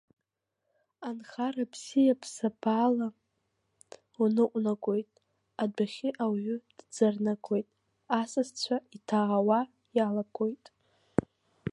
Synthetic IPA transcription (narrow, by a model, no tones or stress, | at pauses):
anχarabʰzijapʰsabaːla | unɨqʷʼnaɡʷʼo̞jtʼ | adaχʲɪʔawɥʏd̥d͡zarnaɡʷo̞jtʼ | asɨzt͡ɕʷʰaitʰaawa | jalaɡʷʼo̞jtʼ